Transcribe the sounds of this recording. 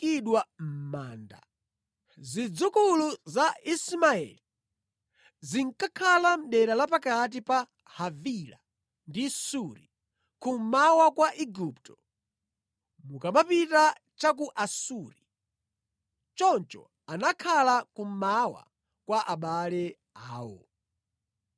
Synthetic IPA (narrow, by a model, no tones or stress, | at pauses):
iɗwam̩maːnda̰ | zid͡zukuluzaismaɛ̰li | ziŋkakʰalam̩ɗɛɾalapakat̬ipa | havila | ndisuɾḭ | kum̩mawakwaʔiɡuptɔ̥ | mukamapita | t͡ʃak̬uʔasuɾi | t͡ʃɔnt͡ʃɔ̰ | anakʰalakum̩mawa̰ | kwaʔaɓalɛ | aːwɔ̰